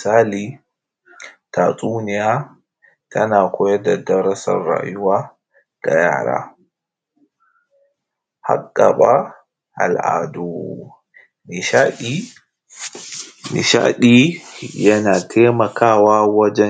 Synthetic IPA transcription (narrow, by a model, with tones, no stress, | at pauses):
saː˦li˦ | ta˨tʼuː˦ni˨ja˦ | tʰɐ˦na˨kʰɔ˦jɛ˦da˨dɐ˦ɾa˦sa̰˨rːa̰ː˨ju˦wa˦ | da̰˨jaː˦ɾa̰˨ | ha̰˦kːa˨ɓa˦ | ʔa̰˨lʔa̰ː˨du˨ | niʃai | nḭ˨ʃa̰˦ɗi˦jɐ˦na˨tʰɛ˦ma˨kʰaː˦wa˦wa˦d͡ʒɛ˦